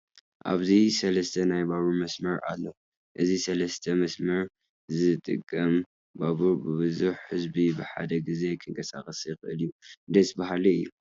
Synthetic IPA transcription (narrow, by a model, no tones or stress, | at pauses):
ʔa̰βzisɐlɐst̪ʰɐnajbaβumɐsmɐɾa̰lːo | ʔɨzisɐlɐst̪ʰɐmɐsmɐɾ | zɨt̪ʼɨ̰kʼːɐm | baβubɨβɨzuħhɨzbibɨħa̰d̪ɐɡize̞kʰɨŋkʰɐsa̰kʼɐsjɪxɨʔɨlijund̪ɐsbaɦalɐɨjːu